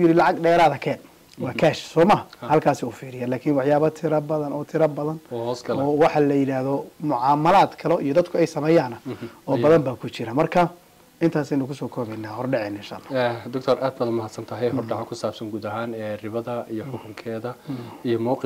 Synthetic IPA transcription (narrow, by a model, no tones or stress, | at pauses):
ʊjɪɾɪlɑʕɑɡɖɛːɾaːðɐkʰɛːn | wɑːkʰaːʃsɔːmaːhɐlkʰaːsɪuːfiːɾɪjalaːkʰɪnwɑħjaːβɐt̪ʰɪɾɐbɐðɐnɔːt̪ʰɪɾɐbɐðɐnɔːhɔːsɡɐlɔːwɑħɑlɐjɪɽaːhðɔmʊʕɑːmɐlaːd̪kʰɐlɔijɔd̪ɐd̪kʰʊɛjsɐmɛːjaːnɐɔːbɐðɐmbaːkʰʊt͡ʃɪɾamɐrkʰɐ | ɪnt̪ʰaːsɛjnʊkʰʊsɔːkʰɔːβɛnaːhɔrɖɛʕɛnɪnʃa̰ːlːaːd̪ʊk̚t̪ʰɔraːd̪̚bɐðmɐhɐd̪sɐnt̪ʰɐɦɛjɦɔrɖɑʕakʰʊsaːbsɐŋɡuːd̪ɐɦaːnɛrɪβɐðɐijɔħɔkʰʊŋkʰɛːðɐijɔmɔːqɪ